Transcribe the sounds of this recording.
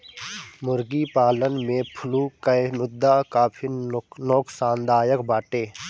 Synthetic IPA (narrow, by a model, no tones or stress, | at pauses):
mʊɾɡipaːlənmẽpʰʊlukəjmʊd̪ːakaːpʰinoːksaːnd̪aːjəkbaːʈeː